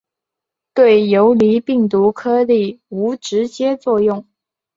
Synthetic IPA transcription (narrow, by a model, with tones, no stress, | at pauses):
t̪we˥˩ɪjo˧˥ʊli˧˥pi˥˩ŋt̪u˧˥kʰɤ˥li˥˩u˧˥ʈ͡ʂɻ̩˧˥t͡ɕjɛ˥t͡swɔ˥˧jʊ˥˩ŋ